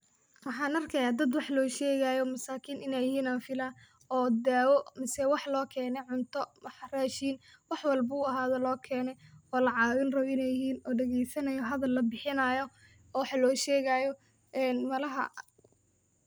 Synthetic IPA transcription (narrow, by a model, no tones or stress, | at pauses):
wɑħɑːnɐrkʰɛjaːd̪ɐd̪wɑħlɔːʃɛːɣajɔmɐsaːkʰiːnʔɪnɛjɪɦhiːnaːnfɪla | ɔːd̪aːwɔmɪsɛwɑħlɔːkʰɛːnɛʕʊnt̪ʰɔmɐħraːʃiːn | wɑħwɑlbɐʊːɐɦaːðɔlɔːkʰɛːnɛɔːlɐʕɑːwɪnrɐβɪnɛjɪɦiːnɔːɖɐɣɛjsɐnɐjɔɦɐðɐlːɐbɪħɪnɐjɔ | wɑħlɔːʃɛːɣaːjɔ | ʔɛːnmɐlɐɦɐ̰